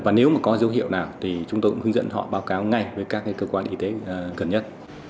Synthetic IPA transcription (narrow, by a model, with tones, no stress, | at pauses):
vaː˨˩ne˨˦wmaː˨˩kɔ˨˦zə˨˦wɦḭ˧˨əwnaː˨˩wt̪ʰi˨˩t͡ɕʊ˨˦ŋ͡mt̪o˧jkʊ˧˥hɨ˧ŋzə̰˧˥nɦɔ̰˧˨ɓaː˨˦wkaː˨˦wŋa˨˩jvəː˨˦jkaː˦˥k̚ːaː˨˦jkəː˧kwaː˧nʔi˧t̪e˨˦˨ɣə˨˩nɲə˦˥t̚